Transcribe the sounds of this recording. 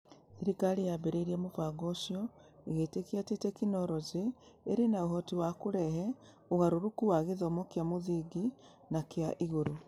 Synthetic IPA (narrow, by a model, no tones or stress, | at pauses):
θeɾikaɾejabeɾeiɾiɛmopaɣɔsijɔ | eɣetekiatetɛkinɔɾɔzeːɾenaoɦɔtiwakoɾɛɦɛ | oɣaɾoɾukuwaɣeðɔmɔkjamoðiɡi | nakjaʔiɣoɾo